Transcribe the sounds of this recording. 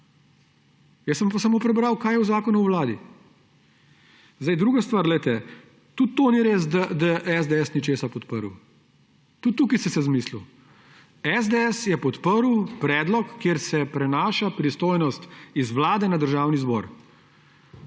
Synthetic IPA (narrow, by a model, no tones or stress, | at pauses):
jɛsəmpasamoːpɾɛbɾawkaːjɛwzaːkɔnuwlaːd̪ḭ | zd̪ajd̪ɾuːɡast̪ʋaːɾdlɛjt̪ɛ | t̪ut̪ːoniɾeːs̬d̪ad̪aʔɛzd̪ɛɛsnit͡ʃeːsapɔt̪pəɾw | t̪ut̪t̪ːuːkisɛsɛzmiːslu | ɛzd̪ɛɛsjɛpɔt̪pəɾwpɾɛːd̪lɔkːeːɾsɛpɾɛnaːʃapɾist̪oːjnɔst̪izʋlaːd̪ɛnad̪əɾʒaːwnizbɔɾ